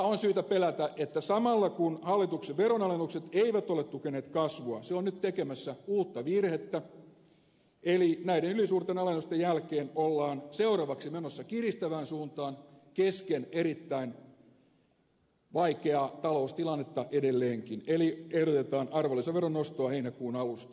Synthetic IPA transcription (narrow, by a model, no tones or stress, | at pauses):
onsyːt̪æpelæt̪æʔet̪ːæsɑmɑlːɑkunhɑlːit̪ukseʋʋeɾonɑlenːukset̪eiʋæt̪olet̪t̪ukeneːt̪kɑsʋoɑseonnyt̪t̪ekemæsːæuːt̪ːɑʋirhet̪ːæ | elinæidenylisuːrt̪enɑlenːust̪ejælkeːnolːɑːnseurɑʋɑksimenosːɑkirist̪æʋæːnsuːnt̪ɑːnkeskeneɾit̪ːæin | ʋɑikeɑt̪ɑloust̪ilɑnːet̪ːɑʔedelːeːŋkineliehɾot̪et̪ɑːnʔɑrʋolːˑiseʋeronːost̪oɑheinækuːnɑlust̪ɑ̥